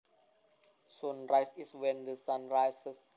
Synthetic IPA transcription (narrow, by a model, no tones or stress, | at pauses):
sõnɹaɪsiswɛ̃nd̪əsãnɹaɪsəs